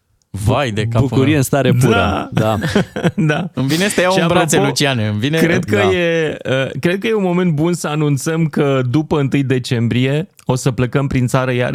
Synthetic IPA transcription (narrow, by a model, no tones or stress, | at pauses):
vajd̪ekbuuɾijeɨnst̪aɾedp̪ua̰dd̪ad̪aɨmvinest̪ejaʃiapbɾat̪selut͡ʃianeɨnvinkɾe̞d̪̚kəjeəkɾe̞d̪̚kəje̞unmo̞me̞nt̪̚bunsəanunt̪səmkəd̪upəɨnt̪ɨjd̪e̞t͡ʃe̞mbɾije̞ | o̞səpləkəmpɾint̪saɾəja̰r